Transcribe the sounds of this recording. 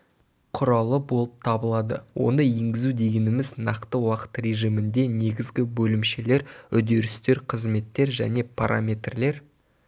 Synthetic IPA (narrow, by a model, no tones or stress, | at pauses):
qʰʊɾɑlˠəbo̞lˠəp̚t̪ʰɑbəlˠɑd̪ə̰wʔo̞̰nəe̞ŋɡʲɪzud̪e̞ɡʲe̞nɪmɪznɑqt̪əwɑqə̥t̪re̞ʒijmɪnd̪e̞ne̞ɡʲɪzɡʲɪbɵlɪmʃe̞le̞ɾʏd̪e̞ɾɪst̪e̞ɾqʰəzme̞t̪ːe̞ɾʒæ̰ne̞pʰaɾʔamʲe̞t̪rle̞ɾ